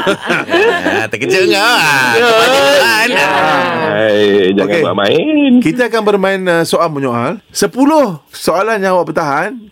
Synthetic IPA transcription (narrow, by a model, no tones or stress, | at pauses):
t̪əkət͡ʃəŋajəaan | ad͡ʒaoŋakea̰ʔmã̰ɪnkit̪aːkanbərmãɪnəsoalmuɲoʔal | səpulʊhsoalanɲãwaʔpət̪aɦan